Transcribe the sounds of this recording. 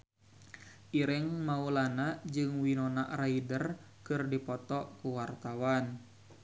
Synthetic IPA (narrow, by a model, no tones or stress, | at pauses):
ʔiɾɪŋmaulanad͡ʒɨŋwinɔnaʔraidər | kɨrdipɔt̪ɔkuwart̪awan